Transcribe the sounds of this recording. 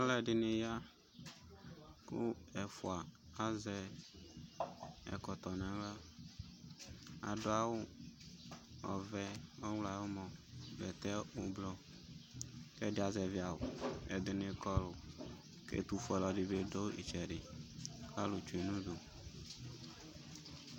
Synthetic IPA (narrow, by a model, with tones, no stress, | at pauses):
a˦lɛ˨ɖɪ˨ne˨ja˦ | kṵ˦ɛ˨fu˨a˨a˦zɛ˦ | ɛ̰˨kɔ˨t̪ɔ˨nã˨la˦ | a̰˨ɖo˦a˨wo˦ | ɔ̰˨vɛ˦ɔ˦wla˨wo˦mɔ̃˨bɛ˨t̪ɛ˦wo˦blɔ˦ | ke˦ɖe˦˨a˨zɛ˨vi˨˦a˨wo̰˨ḛ˨d̪ɪ˨nẽ˦kɔ˦lo˨ | kḛ˦t̪u˨fɔ˨lɔ˨ɖi˨be˦ɖo˦ḭ˨t͡ʃɛ˨ɖɪ˨kʰa˦lu˨t͡ʃu˨e˨nũ˦ɖo˨